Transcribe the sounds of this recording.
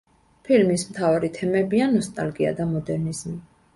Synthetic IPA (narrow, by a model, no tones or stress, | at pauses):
pʰilmismt̪ʰavaɾit̪ʰɛmɛbianɔst̪ʼalɡia̰d̪amɔd̪ɛɾnizmi